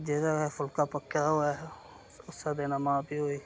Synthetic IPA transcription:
d͡ʒeːdaɛfʰʊlkaːpəkːjaɦoa | ʊsːad̪eːnamãːpiɦoːiː

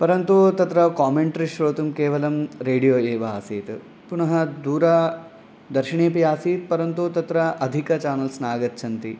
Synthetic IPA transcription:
pɐɾɐnt̪ut̪ɐt̪ɾɐkaːmeɳʈɐɾiʃɾoːt̪umkeːʋɐlɐmɾeːɖijoːeːʋɐaːsiːt̪ | punɐɦɐd̪uːɾɐ | d̪ɐɾʃiɳeːpijaːsiːt̪̚pɐɾɐnt̪ut̪ɐt̪ɾɐʔɐd̪ʱikɐt͡ʃaːnɐlsnaːɡɐt̪t͡ʃʰɐnt̪i

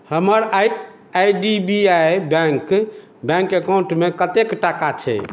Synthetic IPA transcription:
həməɾ | ajɖibiajbɛ̃ŋk | bjɛ̃ŋkekaw̃ɳʈmekət̪ekʈakat͡ʃʰɛ̰

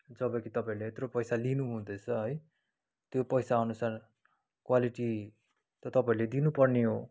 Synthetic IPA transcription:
d͡zʌbʌ̃kit̪ʌpãĩleːt̪ropʌjsalinuɦũd̪ʌt͡sʰʌɦʌj | t̪jopʌjsaːnusar | kwaliʈi | t̪ʌt̪ʌpaĩled̪inupʌrneɦo

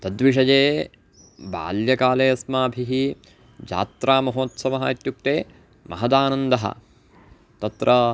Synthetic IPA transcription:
t̪ɐd̪ʋiʃ̬ɐd͡ʒeː | ba̰ːljɐkaːleːɐsmaːɐbʱiɦi | d͡ʒa̰ːt̪ɾaːmɐɦoːt̪sɐʋɐɦɐːit̪juk̚t̪eː | mʔɐ̰ɦɐd̪aːnɐnd̪ɐɦɐ̰ | t̪ɐt̪ɾʔɐ

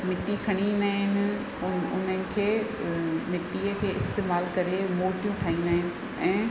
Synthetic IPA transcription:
mɪʈːikʰɐɽ̃inaːɦɪnɪ̆ | ʊnənɪ̆kʰeː | mɪʈːiəkʰeːʔɪst̪eːmaːlkɐɾemoːʈijũʈʰaːɦĩnd̪aːɦɪnɪ̆ | ɛ̃ː

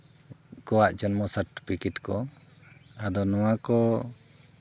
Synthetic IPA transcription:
kɔwaʔd͡ʒɔnmɔsaɾʈi̥pʰikɛʈkɔ | ad̪ɔnɔwakɔ

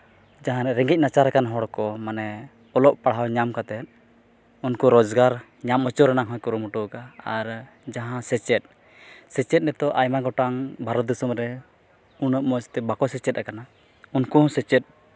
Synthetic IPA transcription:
d͡ʒaɦãɾɛɾɛŋɡic̚nat͡ʃaɾɛkanɦɔɽkɔmanɛ | ɔlɔʔ̚paɽɦawɲamkat̪ɛt̪̚ | unkuɾɔd͡ʒɡaɾ | ɲamɔt͡ʃɔɾɛnaŋɦɔ̃jkuɾumuʈukaaɾ | d͡ʒaɦãsɛt͡ʃɛt̪̚ˀ | sɛt͡ʃɛt̪̚nɛt̪ɔʔajmaɡɔʈaŋbʱaɾɔt̪̚d̪usumɾɛ | unəp̚mɔt͡ʃt̪ɛbakɔsɛt͡ʃɛt̪̚ɾakana | unkuɔ̃sɛt͡ʃɛt̪̚ˀ

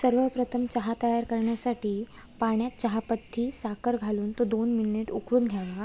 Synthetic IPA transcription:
səɾʋəpɾət̪ʰəmt͡ɕəɦat̪əjaɾkəɾɳjasaʈiː | paɳjat̪̚t͡ɕəɦapət̪ʰːiːsakəɾɡʱaluːnt̪od̪onminiʈukɽuːnɡʱjaʋa

